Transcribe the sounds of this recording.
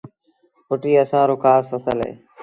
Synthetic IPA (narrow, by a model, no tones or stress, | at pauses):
pʊʈiːəsãːɾoːkʰaːsfəsəlɦḛː